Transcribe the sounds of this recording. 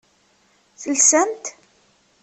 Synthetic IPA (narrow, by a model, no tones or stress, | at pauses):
θəlsənt̪